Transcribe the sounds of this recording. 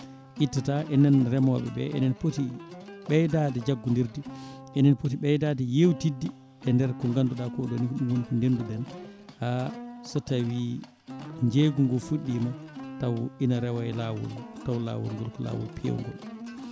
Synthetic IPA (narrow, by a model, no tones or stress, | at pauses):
ʔitːataʔɛnɛnɾɛmɔɓɛ̰bɛ̰ʔɛ̰nɛnpotiɓɛjdaːdɛd͡ʒaɡːundiɾdiʔɛnɛnpotiɓɛjdadɛjewtidːi | ɛndɛɾkɔŋɡanːduɗakɔɗɔniɗumwunkɔndenduɗɛnhasɔtawi | ɲd͡ʒeɡuŋɡɔfuɗːimatawinaɾɛwaɛlawṵltawla̰wṵlŋɡɔlkɔla̰ːwṵlpʰḛw̰ŋɡɔ̰l